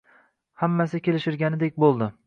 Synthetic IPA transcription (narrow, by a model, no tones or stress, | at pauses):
hamːasɪkʲe̞lɪʃɪɾɡʲanɪd̪ek̚ʲbolˠd̪ɪ